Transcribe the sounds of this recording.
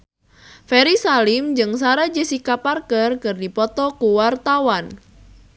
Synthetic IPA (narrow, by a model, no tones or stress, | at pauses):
fɛɾisalɪmd͡ʒɨŋs̬aɾad͡ʒesikaparkərkɨrdipɔt̪ɔkuwart̪awan